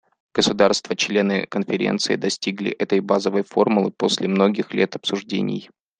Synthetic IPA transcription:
ɡ̥əsʊd̪arst̪vət͡ɕlʲe̞nɨ̰kənfʲɪɾʲḛnt̪sɨɪd̪ɐsʲtʲiɡlʲɪ̰ʔɛt̪əjbazəvəjfo̞rmʊlˠɨpo̞sʲlʲɪmno̞ɡʲɪxlʲet̪ɐpsʊʐdʲḛnʲɪ̰j

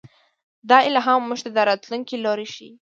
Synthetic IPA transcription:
d̪ɑɪlaɦɑmːuʒt̪ad̪aɾɑt̪luŋkiloɾiʃḭ

